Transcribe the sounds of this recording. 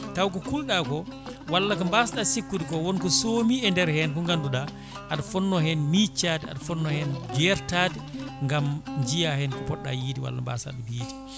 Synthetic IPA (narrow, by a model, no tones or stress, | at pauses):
tawkɔkulɗakɔwalːakambasɗasikːuɗikɔwɔnkɔsoːmiɛndɛɾhɛnkɔŋɡanduɗa | ʔaɗafɔnːɔhɛnmit͡ʃːaːdɛa̰ɗafɔnːɔhɛnd͡ʒɛɾtaːdɛŋɡamɲd͡ʒijahɛnkɔpɔɗːa̰jiːdiwa̰lːa̰mba̰sa̰ɗumjiːdi